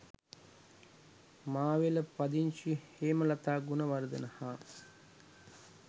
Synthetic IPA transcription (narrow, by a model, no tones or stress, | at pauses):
maːʋeləpad̪iɲʃiheːməlat̪aːɡunəʋaɾəd̪ənɐhaː